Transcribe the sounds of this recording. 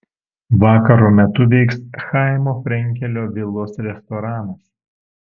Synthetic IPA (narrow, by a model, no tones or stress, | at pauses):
ʋɑːkɐɾoːmʲɛt̪ʊʋʲiːksxɑˑɪmoːfʲɾʲɛŋʲkʲɛlʲoːʋʲɪlˠoːsɾʲɛst̪ɔɾɑːnɐs